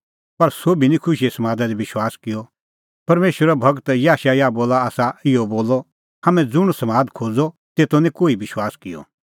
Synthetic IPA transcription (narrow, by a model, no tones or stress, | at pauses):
pɐɾsoːbinĩkʰʊʃiesɐmaːd̪ad̪ibɪʃwaːskɪjɔ | pɐɾmeːʃwəɾabʱɐɡt̪jaːʃajaboːlaaːsaɪɔboːlɔ | ɦɐmɛ̃d͡zʊɽ̃sɐmaːd̪kʰoːd͡zɔ | t̪eːt̪onĩkoːibɪʃwaːskɪjɔ̰